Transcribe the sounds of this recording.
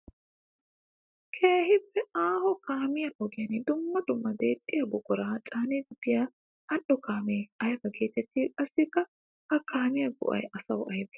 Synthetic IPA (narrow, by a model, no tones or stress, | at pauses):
kʰeːɦɪpːɛaːhɔkaːmɪjɐʔɔɡɪjɐnɪd̪ʊmːɐd̪ʊmːɐd̪eːt̪ʼːɪjɐbʊɡʊɾaːt͡ʃʼaːneːɡʊd̪ɪja | ɐɗɔkʰaːmeːɐjbɐɡeːt̪ɛt̪ːiːkʼɐsːɪkːɐ | hɐkaːmɪjɐɡʊ̰ʔɐ̰jʔɐsɐwʔɐjbɛ̥